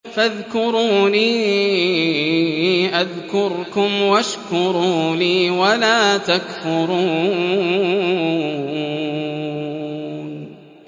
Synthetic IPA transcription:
faðkʊɾuːniː | ʔaðkʊɾkʊmwaʃkʊɾuːliːwalaːt̪akfʊɾuː | n

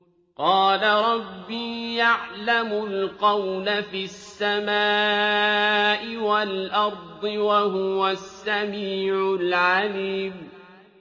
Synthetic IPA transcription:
qɑːlaɾˤɑbːiːjaʕlamʊlqɑwnafiasːamaː | ʔɪwalʔɑɾˤd̪ˤɨwaɦʊwasːamiːʕʊlʕaliːm

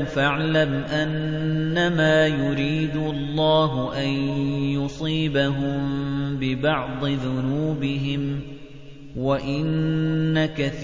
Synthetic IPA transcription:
faʕlamʔanːamaːjʊɾiːd̪ʊlˤːɑːɦʊʔanjʊsˤiːbaɦʊmbɪbɑʕd̪ˤɨðʊnuːbɪɦɪm | waʔɪnːakaθ

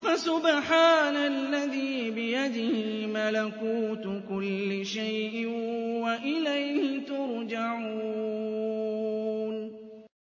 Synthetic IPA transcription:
fasʊbħaːnalːaðiːbɪjad̪ɪhɪmalakuːt̪kʊlːɪʃajʔɪwaʔɪlajhɪt̪ʊɾd͡ʒaʕu | n

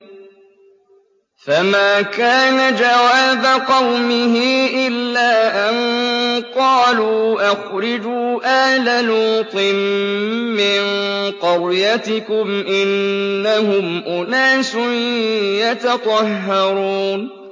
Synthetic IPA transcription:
famaːkaːnad͡ʒawaːbaqɑwmɪɦɪʔɪlːaːʔanqɑːluʔaxɾɪd͡ʒuːʔaːlaluːt̪ˤɨn | mɪnqɑɾˤjat̪ɪkʊmʔɪnːaɦʊmʔʊnaːsʊ | jat̪ɑt̪ˤɑɦːɑɾuːn

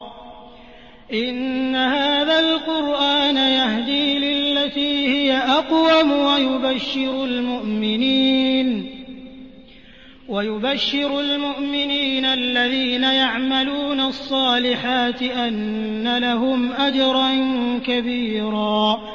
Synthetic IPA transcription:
ʔɪnːahaːðalqʊɾʔaːnajahd̪iːlɪlːat̪iːhɪjaʔɑqwamwajʊbaʃːɪɾalmʊʔmɪniːn | wajʊbaʃːɪɾʊlmʊʔmɪniːnaʔlːaðiːnajaʕmaluːnasˤːɑːlɪħaːt̪ɪʔanːalaɦʊmʔad͡ʒɾˤɑnkabiːɾaː

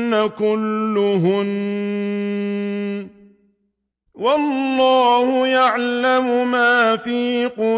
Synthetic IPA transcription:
akʊlːʊɦʊn | wɑlːɑːhʊjaʕlamʊmaːfiːqʊ

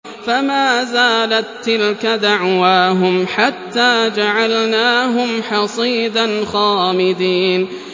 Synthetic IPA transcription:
famaːzaːlat̪ːɪlkad̪aʕwaːɦʊmħat̪ːaːd͡ʒaʕalnaːɦʊmħɑsˤiːd̪anxaːmɪd̪iːn

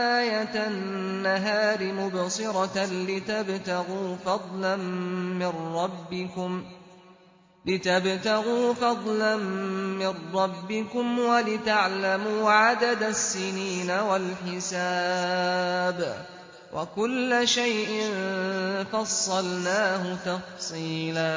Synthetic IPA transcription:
ʔaːjat̪anːaɦaːɾɪmʊbsɨɾˤɑlɪt̪abt̪aɣuːfɑd̪ˤlanmɪnːɑbːɪkʊm | lɪt̪abt̪aɣuːfɑd̪ˤlanmɪrːɑbːɪkʊmwalɪt̪aʕlamuːʕad̪ad̪asːɪniːnawalħɪsaː | b | wʔa̰kʊlːaʃajʔɪnfɑsˤːɑlnaːhʊt̪ɑfsˤiiːlaː

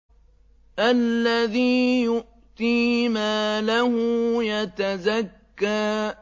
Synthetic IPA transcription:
ʔalːaðiːjʊʔ | t̪iːmaːlahʊjat̪azakːaː

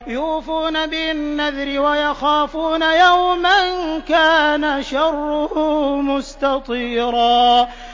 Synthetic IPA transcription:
jʊːfuːnabɪnːaðɾɪwajɑxaːfuːnajawmankaːnaʃɑrˤːʊhumʊst̪ɑt̪ˤiːɾɑː

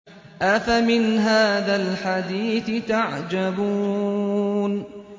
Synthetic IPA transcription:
ʔafamɪnɦaːðalħad̪iːθɪt̪aʕd͡ʒabuː | n

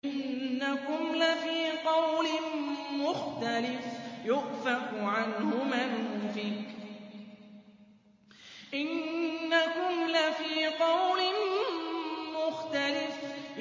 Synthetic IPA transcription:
ɪnːakʊmlafiːqɑwlɪnmʊxt̪alɪfjʊʔfaqʕanhʊmanʔfɪk | ʔɪnːakʊmlafiːqɑwlɪn | mʊxt̪alɪf

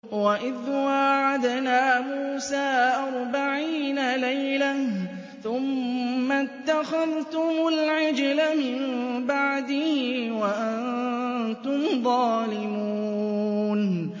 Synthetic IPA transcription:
waʔɪðwaʕad̪naːmuːsaːʔɑɾˤbaʕiːnalajla | θʊmːat̪ːaxaðt̪ʊmʊlʕɪd͡ʒlamɪmbaʕd̪ɪhɪwaʔant̪ʊmðˤɑːlɪmuuː | n

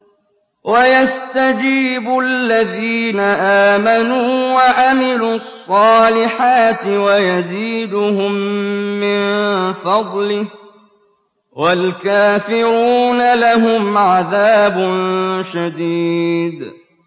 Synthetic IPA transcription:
wajast̪ad͡ʒiːbʊalːaðiːnaʔaːmanuːwaʕamɪlusˤːɑːlɪħaːt̪ɪwajaziːd̪ʊhʊmːɪnfɑd̪ˤlɪ | walkaːfɪɾuːnalaɦʊmʕaðaːbʊnʃad̪iːd̪

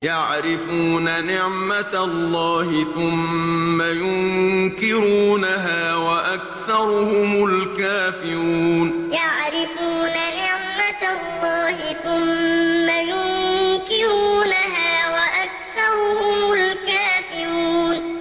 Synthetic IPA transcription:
jaʕɾɪfuːnanɪʕmatalˤːɑːhɪθʊmːajʊŋkɪɾuːnaɦaːwaʔak̚θɑɾˤʊhʊmʊlkaːfɪɾuːnjaʕɾɪfuːnanɪʕmaalˤːɑːɦɪθʊmːajʊkɪɾuːnaɦaːwaʔak̚θɑɾˤʊhʊʊmʊlkaːfɪɾuːn

